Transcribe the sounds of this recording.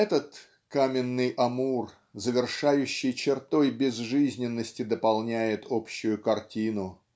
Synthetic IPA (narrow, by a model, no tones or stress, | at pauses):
ɛt̪ət̪ | kamʲɪnːɨjʔɐmur | zəvʲɪrʂajʉɕːɪjt͡ɕɪrt̪o̞jbʲɪzʐɨzʲnʲɪnːəsʲtʲɪd̪əpɐlˠnʲæjɪt̪ʰopɕːʊjʊkɐrtʲinʊ